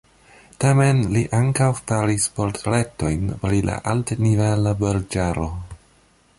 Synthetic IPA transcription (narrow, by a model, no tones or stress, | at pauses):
tame̞nliʔaŋkawfaɾispoɾtɾe̞to̞jnpɾila̰ʔaltnivelabeɾd͡ʒaɾo̞